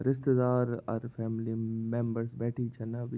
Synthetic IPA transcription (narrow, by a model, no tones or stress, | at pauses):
ɾɪst̪əd̪aːɾɔ̰ɾfɛːmlimẽmbəɾsbɛːʈʰit͡ʃʰɐnab